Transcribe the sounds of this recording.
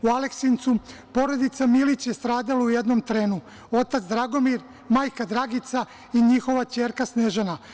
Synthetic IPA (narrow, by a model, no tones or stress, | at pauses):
ualeksint̪supo̞ɾo̞d̪it̪samilit͡ɕjest̪ɾaːd̪alauje̞d̪no̞mt̪ɾeːnu | o̞t̪at̪zd̪ɾaɡo̞miɾ | maːjkad̪ɾaɡit̪sa | iɲixo̞ʋat͡ɕe̞ːɾkasneʒena